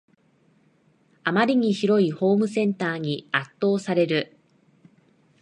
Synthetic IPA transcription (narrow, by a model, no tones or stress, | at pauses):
amaɾʲiɲ̟içiɾo̞iho̞ːmɯ̟sẽ̞nt̪aːɲ̟iat̪ːo̞ːsaɾe̞ɾɯ̟